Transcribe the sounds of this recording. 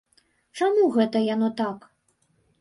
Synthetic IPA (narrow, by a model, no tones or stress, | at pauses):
t͡ʂamuɣɛt̪ɐjan̪ɔt̪ak